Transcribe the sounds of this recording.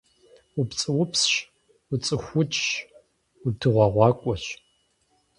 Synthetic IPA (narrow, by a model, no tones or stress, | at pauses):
upt͡sʼɨwʊpsɕ | ʊt͡sʼɨxʷʊt͡ʃʼɕ | udʰɨʁʷɑʁʷɑːkʷʼɔɕ